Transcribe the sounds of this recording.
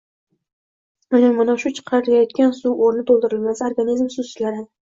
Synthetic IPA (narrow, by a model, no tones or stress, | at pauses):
ʊnɪmanaʃʊt͡ʃʰɨ̥qʰɑɾɪɾɡʲajɒt̪̚kʲansuwoɾnɪt̪ʰolˠd̪ɪɾɪlmʲasao̞ɾɡanizmsʊzɪt͡ʃlaɾɪ